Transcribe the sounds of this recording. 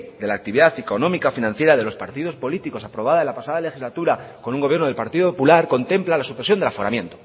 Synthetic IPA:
d̪e̞laːk̚t̪iβiðaθeko̞nõ̞mikafinãn̟θje̞ɾaðe̞lo̞spaɾt̪ið̞o̞spo̞lit̪iko̞sapɾo̞βaðaenlapasaðale̞xizlat̪uɾako̞nuŋɡoβje̞ɾnoe̞lpaɾt̪iðopopulaɾko̞nt̪e̞mplalasupɾesjondelafo̞ɣɾa̰mjẽ̞nt̪o̥

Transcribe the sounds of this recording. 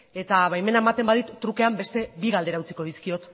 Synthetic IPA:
e̞t̪aβajme̞naemat̪e̞mbaðit̪ːɾuke̞ambe̞st̪e̞biɣald̪e̞ɾawt͡siko̞ðiskio̞t̪

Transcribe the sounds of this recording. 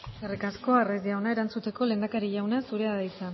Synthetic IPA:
serikasko̞arezʝawnaeɾant͡sut̪e̞ko̞le̞ːnd̪akaɾiʝawnasuɾe̞aðajt͡sa

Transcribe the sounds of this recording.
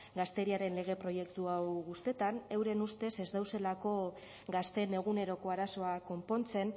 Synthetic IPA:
ɡast̪e̞ɾiaɾe̞nle̞ɣ̞e̞pɾo̞je̞kt̪uawɣust̪e̞t̪ane̞wɾe̞nust̪e̞se̞zd̪awse̞lako̞ | ɡast̪e̞ne̞ɣ̞une̞ɾo̞ko̞aɾaso̞ako̞mpo̞nt͡se̞n

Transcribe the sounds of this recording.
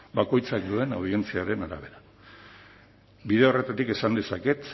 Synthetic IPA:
bako̞jt͡sak̚d̪ue̞nawð̞ie̞nt͡siaɾe̞naɾa̰βe̞ɾa | biðeo̞re̞t̪at̪ike̞sand̪e̞sake̞t̪

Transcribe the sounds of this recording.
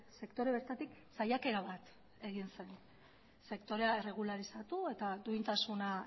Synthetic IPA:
se̞kt̪o̞ɾe̞βe̞ɾt̪at̪iksajake̞ɾaβat̪ | e̞ɣinse̞n | se̞kt̪o̞ɾe̞aere̞ɣ̞ulaɾisat̪ue̞t̪ad̪uint̪asuna

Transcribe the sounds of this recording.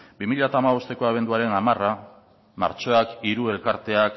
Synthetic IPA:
bimiʎat̪aːmaβ̞o̞st̪e̞ko̞aβ̞e̞nd̪uaɾe̞namara | ma̰ɾt͡ʃo̞akiɾue̞lkaɾt̪e̞ak

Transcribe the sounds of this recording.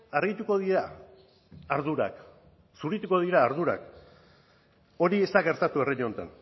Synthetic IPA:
aɾɣit̪uko̞ðiɾa | aɾðuɾa̰k | suɾit̪uko̞ð̞iɾaːɾðuɾa̰k | o̞ɾie̞st̪aɣe̞ɾt̪at̪ue̞reɲont̪a̰n

